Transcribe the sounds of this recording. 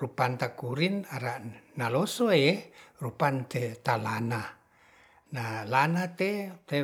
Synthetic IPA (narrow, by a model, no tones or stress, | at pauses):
rupant̪akuɾinaɾaʔnalosoerupant̪et̪alana | nalanat̪et̪e